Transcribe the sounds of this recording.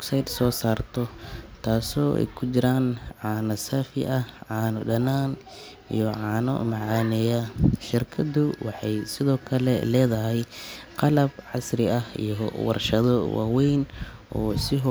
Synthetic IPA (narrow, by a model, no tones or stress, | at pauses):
sajd̪sɔːsaːrt̪ʰɔt̪ʰaːsɔːʔɛ̰jkʰʊt͡ʃɪɾaːnʕɑːnɐsɐfɪ̰ʔɐʕɑːnɔɖɐnaːn | ḭjɔʕɑːnɔ̰mɑʕɑːnɛjɐʃɪrkʰɐd̪ʊwɑħɑjsɪðɔːkʰɐlɛ̰lɛːðɐɦɛjqɑlɐbʕɑsrɪɐhḭjɔwɑ̰rʃɐðɔwa̰ːwɛjnʔɔːsɪɦ